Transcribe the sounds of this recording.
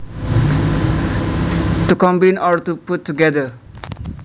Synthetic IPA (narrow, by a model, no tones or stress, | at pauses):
t̪ukʌmbinɔɾt̪uput̪ʰːuɡɛd̪ə